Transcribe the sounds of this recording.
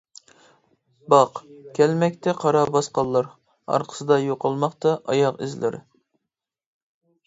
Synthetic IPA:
bɑqkʲʰɛlmɛkʲt̪ʰɛqʰɑɾɑbɑsqɑlˠːɑɾ | ɑ̰ɾqʰə̥sɨd̪ɑjoqʰɑlˠmɑqt̪ɑʔɑjɑqɪ̰zlɪ̰ɾɪ̰

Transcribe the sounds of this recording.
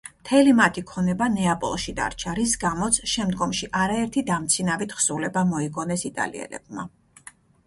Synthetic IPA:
mt̪ʰɛlimat̪ʰikʰɔnɛbanɛapʼɔ̰lˠʃid̪a̰ɾt͡ʃʰaɾisɡamɔt̪sʰʃɛmd̪ɡɔmʃiʔaɾaɛɾt̪ʰid̪amt̪sʰinavit̪ʰχsulɛbamɔiɡɔnɛsit̪ʼa̰lḭɛ̰lɛ̰b̥̚ma

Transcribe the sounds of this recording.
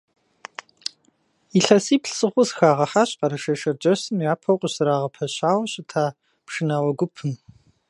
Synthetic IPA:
iɬɐsiːpɬsɨχʷʊsxaːʁɐħaːɕqɐɾɐʃɐʃɐrd͡ʒʼɐɕɨmjaːpʰɐwqʷəɕɨɾaːʁɐpʰɐɕaːwɐɕɪtʰaː | pʂɨnaːwɔɡʷʊpʰɨm

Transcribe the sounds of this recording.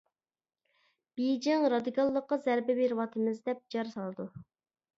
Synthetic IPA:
b̥ejd͡ʒɪŋɾɑd̪ikʰɑlˠːəqːɑzæɾbɪbeɾɪwɑt̪ʰɨmɨzd̪ɛp̚d͡ʒɑɾsɑlˠɨd̪u

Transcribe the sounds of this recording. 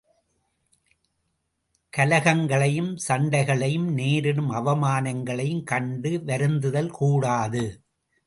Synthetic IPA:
kɐlɐɣɐŋɡɐɭɐjɯmsɐɳɖɐɪɣɐɭɐjɯmneːɾɪnɯmɐʋɐmaːnɐŋɡɐɭɐjɯmkɐɳɖɯʋɐɾɯnd̪ɯðɐlkuːɽaːðɯ

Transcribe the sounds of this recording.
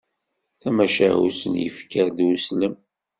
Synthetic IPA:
θæmæʃæɦṵsənjə̰fkəɾðwusləm

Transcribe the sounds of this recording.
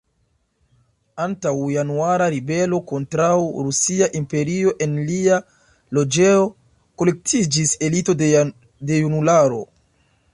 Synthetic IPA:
antawjanuaɾaɾibe̞lo̞ko̞ntɾawɾusiaʔimpe̞ɾio̞ʔe̞nlia | lo̞d͡ʒe̞o̞ | ko̞le̞k̚tʰid͡ʒise̞lito̞ | de̞junulaɾo̞̰

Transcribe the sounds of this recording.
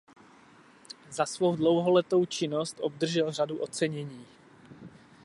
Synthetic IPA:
zasvowdlo̞wɦolɛt̪o̞wt͡ʃɪnost̪ʔob̚d̪r̩ʒɛlr̝aduʔo̞t͡sɛɲɛɲiː

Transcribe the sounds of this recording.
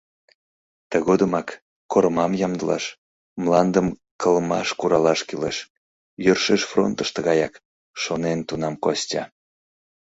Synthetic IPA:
t̪əɣod̪əmɑk | koɾəmɑmjɑmd̪əlɑ̰ʃ | mlɑnd̪əm | kəlmɑʃkuɾɑlɑʃkyleʃ | jørʃeʃfro̰nt̪əʃt̪əɣɑjɑk | ʃonent̪unɑmkostʲɑ

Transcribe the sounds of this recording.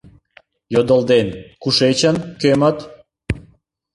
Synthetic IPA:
jod̪əld̪enkuʃet͡ɕənkømət̪

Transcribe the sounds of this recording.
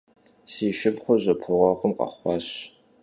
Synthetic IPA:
siːʃɪpχʷʊʑɐpʰɨʁʷɐχʷʊmqɑ̰χʷɑɕ

